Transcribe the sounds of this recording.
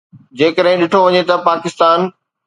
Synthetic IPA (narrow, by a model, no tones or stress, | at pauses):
d͡ʑeːkəɗɦɪ̃ɗɪʈʰoʋɐɲet̪ɐpaːkɪst̪aːn